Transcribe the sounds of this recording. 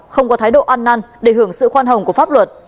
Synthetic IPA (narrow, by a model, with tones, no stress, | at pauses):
xə˧wŋ͡mkɔ˨˦t̪ʰaː˨˦jɗo̰˧˨ʔaː˧nːa˧nɗe˧˩hɨ˧˩əŋsɨ̰˧˨xwaː˧nɦə˨˩wŋ͡mku˧˩əfaː˦˥p̚lwə˨˩t̚